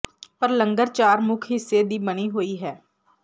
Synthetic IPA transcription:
pəɾləŋɡəɾt͡ʃaːɾmʊkʰɦɪsːeːd̪iːbəɽiːɦoːiːɦɛː

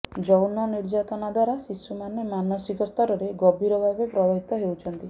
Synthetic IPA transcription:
d͡ʒɔwnɔniɾd͡ʒat̪ɔnad̪waɾasisːumanemanɔsikɔst̪ɔɾɔɾeɡɔbʱiɾɔbʱabepɾɔbaɦit̪ɔɦewt͡ʃʰɔnt̪i

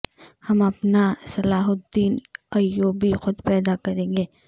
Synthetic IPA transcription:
hɐmɐpnasɐlaːɦʊt̪̚d̪iːnɐjːoːbixʊd̪pɛːd̪akɐɾẽːɡeː

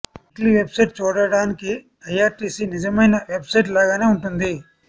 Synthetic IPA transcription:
ʈliʋebsɐjʈ̚t͡ʃuːɽɐɽaːniki | ɐjaːɾʈiːsinid͡ʒɐmɐjnɐʋe̞bsɐjʈ̬laːɡaːneːuɳʈund̪i

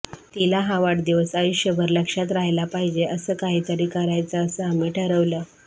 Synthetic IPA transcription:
t̪ilaɦaʋaʈd̪iʋəsajuɕjəbʱəɾləkʂat̪ɾaɦjlapaɦid͡ʑeʔəsəːkaɦiːt̪əɾikaɾajt͡saːsəəmiʈʰəɾəʋlə

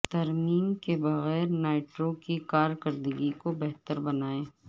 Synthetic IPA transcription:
t̪ɐɾmiːmkebɐɣɛːɾnaːɪʈɾokikaːɾkəɾd̪əɡikobɛɦt̪əɾbɐnaːẽː

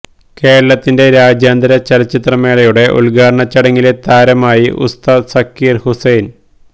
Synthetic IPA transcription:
ke̞ːɾɐɭɐt̪ːinde̞ɾaːd͡ʑjaːnd̪ɐɾɐt͡ɕɐlɐt͡ɕːit̪rɐme̞ːɭɐjuɽe̞ʔṵlɭɡaːɾɐɳɐt͡ɕːɐɽɐŋːile̞t̪aːɾɐmaːjiʔṵst̪ɐsɐkːiːrhusejn

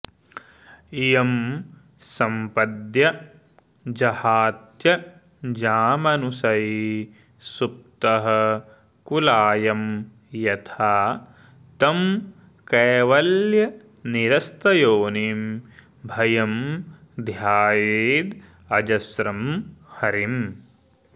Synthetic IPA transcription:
ijɐm | sɐmpɐd̪jɐ | d͡ʒɐhaːt̪jɐ | d͡ʒaːmɐnusɐji | sup̚t̪ɐɦɐ̆ | kulaːjɐm | jɐt̪ʰaː | t̪ɐm | kɛːʋɐljɐ | niɾɐst̪ɐjoːnim | bʱɐjɐmd̪ʱjaːjeːd̪ | ɐd͡ʒɐsɾɐmhɐɾim

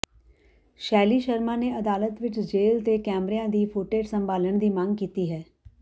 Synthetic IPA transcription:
ʃɛːliːʃəɾmãːneɐd̪aːlət̪ʋɪt͡ʃd͡ʒeːlt̪ekɛːmɾejãːd̪iːfʰoʈeːɖsə̃mbaːləɳ̃d̪iːmãːŋɡkiːt̪iɦɛː

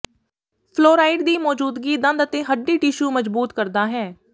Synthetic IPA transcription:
pʰloːɾaːɪɖd̪iːmɔːd͡ʒuːd̪ɡiːd̪ə̃nd̪ət̪eːɦəɖːiːʈiʃuːməd͡ʒbuːt̪kəɾd̪aːɦɛː

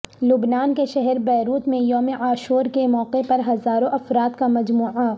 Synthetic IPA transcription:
lʊbnaːnkeʃɛɦɛɾbɛːɾuːt̪mẽjoːmeʔaːʃuːɾkemɔːqepɐɾɦɐzaːɾõʔɐfɾaːt̪kamɐd͡ʒmuːʕa

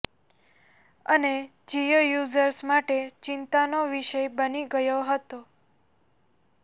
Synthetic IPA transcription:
əne | d͡ʒijəjuzəɾsmaʈet͡ʃɪnt̪anoʋiʃəjbəniɡəjoɦət̪o

